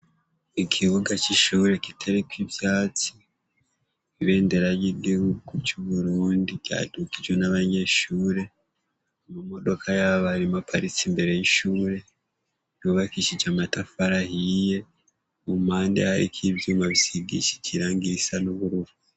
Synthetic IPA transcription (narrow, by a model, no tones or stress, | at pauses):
ikʰiβuɡat͡ʃiʃuːɾe̞kitʰaɾikwibjaːt͡si | iβe̞ːnde̞ɾajidihuɡut͡ʃuβuɾuːndija̰ːdukid͡ʒwenaβaɲe̞ʃuːɾe̞ | mumo̞do̞kʰajaβaɾimapʰaɾisimbe̞ɾe̞jiʃuːɾe̞ | nuβakiʃid͡ʒamatafaɾahije̞ | mumaːndḛhaɾḭkʰibjuːmaβisiɡḭʃi̥ciɾaːŋɡiɾisanuβuɾuβu